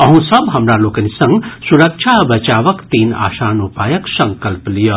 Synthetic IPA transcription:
ɐɦũsɐbɦɐmɾaloːkɐnisɐ̃ŋɡsuɾɐkt͡ʃʰabɐt͡ʃaːʋɐkt̪iːna̰ːʃaːnupaːjɐksɐ̃ŋkɐlplijɐ

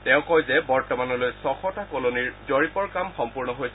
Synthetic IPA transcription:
tɛʊ̃kɔjzɛbɔɹtɔmanɔlojsɔxɔtakoloniɹzoɹipɔɹkamxɔmpuɹnɔɦoj

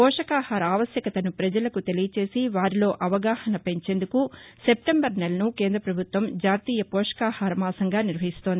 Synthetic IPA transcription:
pɔːʂɐkaːhaːɾɐaːʋɐsjɐkɐt̪ɐnupɾɐd͡ʒɐlɐkut̪e̞lijɐt͡ʃe̞ːsiʋaːɾilo̞ːʔɐʋɐɡaːhɐnɐpe̞ɲt͡ʃe̞ːnd̪ukuse̞p̚ʈembɐɾnelɐnukeːnd̪ɾɐpɾɐbʱut̪ʋɐmd͡ʒaːt̪iːjɐpɔːʂɐ̥kaːhaːɾɐmaːsɐŋɡaːniɾʋɐɦist̪ond̪i

